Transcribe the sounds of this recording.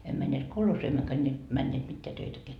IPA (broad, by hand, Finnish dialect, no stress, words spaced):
em mænːeːt kolhoːsiː emːøkæ nʲe mænːeːt mitːeæ tøitækeæ